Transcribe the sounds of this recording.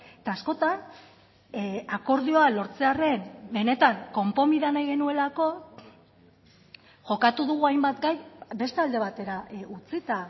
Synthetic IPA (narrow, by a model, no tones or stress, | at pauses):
et̪aːsko̞t̪an | ako̞ɾðio̞alo̞ɾt͡se̞are̞nbe̞ne̞t̪aŋko̞mpo̞miðanajɣe̞nue̞lako̞ | ʝo̞kat̪uðuɣ̞uajmbat̪ɡajbe̞st̪eald̪e̞β̞at̪e̞ɾaut͡sit̪a